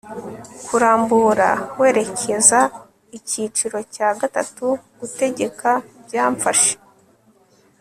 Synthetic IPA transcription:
kuɾaːmbuɾa̰we̞ːɾe̞cʰe̞za | icit͡ʃiɾo̞caːɡatatuɡ̥ute̞ɟe̞kʰabjaːɱfaʃe̥

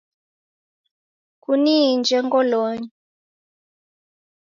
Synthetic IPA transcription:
kunind͡ʒɛŋɡɔlɔɲi

